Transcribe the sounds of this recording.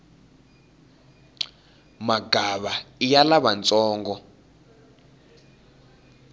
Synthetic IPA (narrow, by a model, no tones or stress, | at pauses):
maɡʱaβaijalaβant͡sʼɔːŋɡɔ